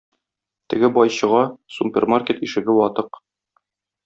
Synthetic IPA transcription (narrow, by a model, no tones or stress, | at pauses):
t̪ɘ̆ɡɘbɒjɕɤ̆ʁɑsupʲermarkʲet̪iʃɘ̆ɡɘwɒt̪ɤq